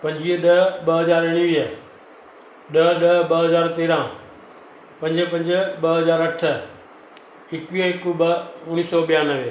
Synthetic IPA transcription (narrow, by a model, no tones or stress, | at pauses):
pɐ̃ɲd͡ʑiːəɗɐɓɐɦɐzaːɾɪɽ̃iʋiə | ɗɐɗɐbɐɦɐzaːɾt̪eːɾãː | pɐ̃ɲd͡ʒpɐ̃ɲd͡ʑɓɐɦɐzaːɾɐʈʰə | ɪkʋiõɪkubɐʊɽ̃isɔːɓijaːnɐʋe